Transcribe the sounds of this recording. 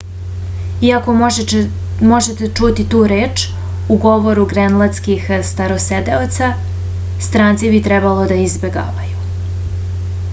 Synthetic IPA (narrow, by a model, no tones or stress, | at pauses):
iako̞ | mo̞ʒet̪et͡ʃut̪it̪uːɾeːt͡ʃ | uɡo̞ʋo̞ɾuɡɾenlˠat̪skixst̪aɾosed̪eot̪sa | st̪ɾaːnt̪sibit̪ɾɛbalˠo̞d̪aizbeɡa̰ːʋaju